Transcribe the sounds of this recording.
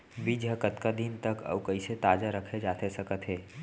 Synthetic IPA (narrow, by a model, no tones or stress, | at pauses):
bid͡ʒəkət̪kad̪int̪əkə̰bkəɪset̪aːd͡ʒaɾəkʰed͡ʒaːt̪esɐkət̪ɦeː